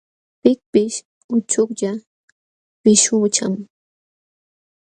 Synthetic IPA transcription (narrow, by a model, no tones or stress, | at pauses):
pɪk̚pɪʃ | ʊt͡ʃʊkʎa | pɪʃʊt͡ʃam